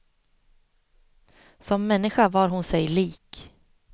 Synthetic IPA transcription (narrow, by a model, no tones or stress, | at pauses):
sɔmːɛnːɪɧavɑːɾɦʊnsɛjliːk